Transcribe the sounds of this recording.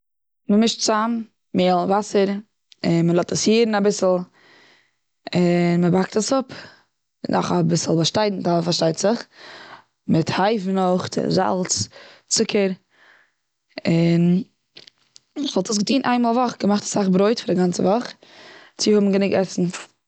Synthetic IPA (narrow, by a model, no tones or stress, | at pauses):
məmɪʃtt͡sam | meːlˠvasəɾ | ɪnməlˠɔtəshiːɾn̩abɪsl̩ˠ | ɪnməbak̚təsʊp | nɔ̰χabɪsl̩ˠbaʃtaɪdn̩tafaɾʃtaɪtz̥ɪχ | mɪthaɪfnʊχtɪ̰za̰lˠt͡st͡sʊkʰəɾ | ɪn | χvɔlˠtəsɡətiːnʔa̰ɪnmoːlˠvɔχɡəmaχtḁsaχbɾoɪtfɪɾɪɡant͡səvɔχt͡sɪhʊbm̩ɡənɪɡɛsn̩